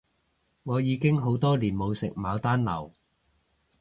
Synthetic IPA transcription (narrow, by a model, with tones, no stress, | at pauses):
ŋɔː˨˧jiː˨˧kɪ˥ŋɦo˨˥wt̪ɔː˥liː˨˩nmo˨˧wsɪ̰˨k̚maː˨˧wt̪aː˥nlɐ̰˨˩w